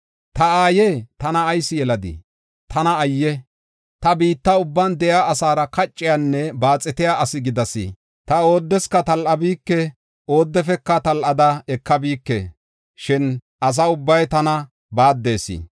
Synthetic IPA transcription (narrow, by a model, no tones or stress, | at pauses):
t̪ɐaːjeːt̪ɐnɐːjsɪjɛlɐd̪ḭ | t̪ʰɐnɐːjːɛ | t̪ɐbiːt̪ːɐʊbːɐnd̪ɛjaɐsaːɾɐkɐt͡ʃʼːɪjanːɛbaːt͡sʼːɛt̪ɪjaʔɐsɪɡɪd̪ɐsḭ | t̪ɐo̞ːd̪ːɛskɐt̪ɐlʔɐbiːkːɛ | o̞ːd̪ːɛfɛkːɐt̪ɐlʔɐd̪ɐɛkːɐbiːkːḛ | ʃɪn | ʔɐs̬ɐʊbːɐjt̪ɐnɐ | baːd̪ːe̞ːsḭ